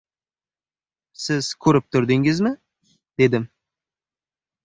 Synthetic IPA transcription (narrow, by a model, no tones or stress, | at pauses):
sɪz̥kʲʰɵɾɪp̚t̪ʰʊɾd̪ɪŋɪzmɪ | d̪̥e̞d̪ɪm